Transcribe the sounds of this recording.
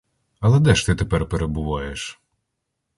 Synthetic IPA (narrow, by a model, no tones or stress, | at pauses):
ɐlˠɛd̪ɛʃt̪ɪt̪epɛrpeɾebʊʋɑjeʃ